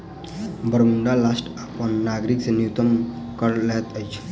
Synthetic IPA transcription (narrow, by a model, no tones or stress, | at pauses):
bʱəɾmuɳɖalasʈapənːaɡɾiksenjut̪əm | kəɾlet̪əjt͡ʃʰe̥